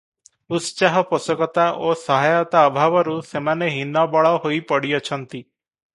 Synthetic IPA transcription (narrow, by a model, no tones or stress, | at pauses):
ut̪saɦɔposɔkɔt̪aʔosɔɦajɔt̪aɔbʱabɔɾusemaneɦinɔbɔɭɔɦojpɔɽiɔt͡ʃʰɔnt̪i